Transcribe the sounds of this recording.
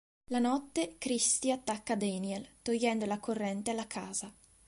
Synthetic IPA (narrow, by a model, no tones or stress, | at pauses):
lanɔt̪ːekɾist̪iat̪ːakːad̪ɛniɛlt̪ojːɛnd̪olakʰorːɛnt̪ealːakʰaːza